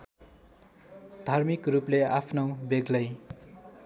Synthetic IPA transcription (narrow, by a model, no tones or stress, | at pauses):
d̪ʱarmikrupleapʰnowbeɡlʌj